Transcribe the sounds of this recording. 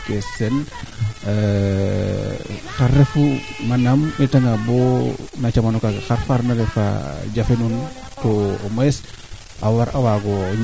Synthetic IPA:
kesen | kaɾefumanamitaŋabonat͡ʃamanokaɡxaɾfaɾnalefa̰ɟafenun | tomoes | ʔawaɾawaɡoɲ

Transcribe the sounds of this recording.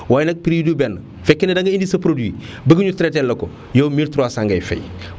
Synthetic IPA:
waːjnɐk̚pɾidubɛnː | fɛkːinɐdɐŋɡɐindisɐpɾoduwi | bəɡɐɲutɾɛtɛlːɐkɔ | jowmiltɾuwasaŋɡɐjfɛ̰j

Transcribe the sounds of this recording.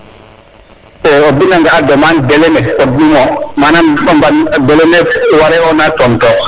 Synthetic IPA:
ɛɔdinaŋɡadɔmandɛlɛnɛɔdːimɔmananɓɔmbandɛlɛnɛwaɾɛɔnatɔntɔ

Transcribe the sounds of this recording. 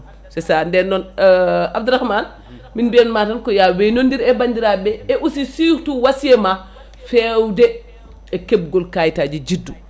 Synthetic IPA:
sɛsandɛnːɔnab̚duɾaxman | minbiɛnmatankɔjawenondiɾɛbaɲd͡ʒiɾabɛeʔusisituwasema | fewde | ekeb̚ɡɔlkajtad͡ʒid͡ʒidːu

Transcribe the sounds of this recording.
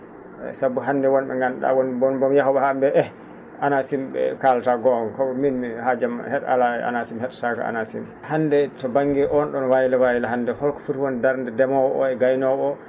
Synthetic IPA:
ɛ̰sabuɦandɛwɔnɓɛ̰ŋɡanɗa̰wɔnbɔnbɔmjaɦubɛhambɛʔɛ | ʔanasimɓɛ̰kaltaɡɔnkɔminmihad͡ʒamhɛɗa̰laɛa̰nasimhɛɗsaka̰a̰nasḭm | handɛtɔbaŋːɡɛʔɔnɗɔnwajilawajilaɦandɛhɔlkɔ̥futwɔndaɾndɛdɛmɔwɔʔɔ̰ɛɡajnɔɔ

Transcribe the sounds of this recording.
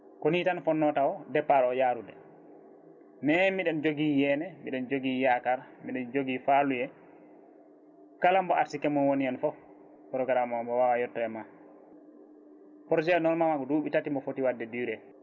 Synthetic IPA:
konitanfɔnːɔtawɔdɛpːaɗɔjaɾudɛ̰ | mɛmiɗɛnd͡ʒoɡijɛnɛmiɗɛnd͡ʒoɡijakaɾmiɗɛnd͡ʒoɡifalujɛ | kalambɔʔaɾsikɛmːɔnwoniɛnfɔ | kɔɾɔɡaɾamambɔwawajɔtːɔjɛma | pɔɾd͡ʒɛnɔlmamaɡɔduːɓitatimɔfotiwadːɛdiɾɛ

